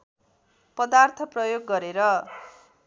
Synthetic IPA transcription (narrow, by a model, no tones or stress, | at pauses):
pʌd̪art̪ʰʌprʌjoɡːʌɾeɾʌ